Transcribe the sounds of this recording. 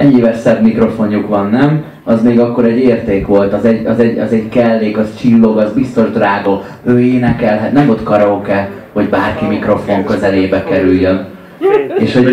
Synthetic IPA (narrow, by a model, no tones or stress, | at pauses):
ɛɲeːvɛsɛbmikro̞fo̞ɲjukʋɒnːɛm | ɒzmeːɡɒkːo̞ɾɛɟːeːrt̪eːkʋo̞lt̪ɒzɛɟɒzɛɟɒzɛɟkɛlːeːkɒst͡ʃilːo̞ɡɒzbist̪o̞ʒd̪raːɡo | øːeːnɛkɛlɦɛt̪nɛmot̪kɒɾɒokɛ | ho̞ɟbaːrkimikro̞fo̞ŋkø̞zɛleːbɛkɛɾyjjøn | eːʃho